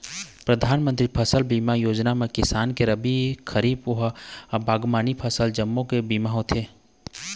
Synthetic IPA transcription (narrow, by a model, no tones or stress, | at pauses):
pɾəd̪ʱaːnmə̃nt̪ɾipʰəsəlbiːmajoːd͡ʒnamẽkɪsaːnkeɾəbikʰəɾiːboɦbaːɡmaːnipʰəsəld͡ʒəmːõkebiːmaɦot̪ʰeː